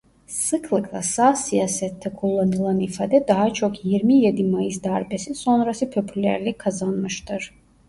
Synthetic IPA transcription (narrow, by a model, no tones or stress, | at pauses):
sɯkʰlˠakʰlˠa̰sasijaːsɛt̪ʰːɛkʰulˠːanɯlˠanifa̰ːd̪ɛd̪aɦat͡ʃʰokʰjiɾmijed̪imajɯzd̪aɾbɛsinso̞nɾasɯpʰøpʰylʲæ̰ɾlʲikʰazanmɯʃt̪ʰɯɾ̥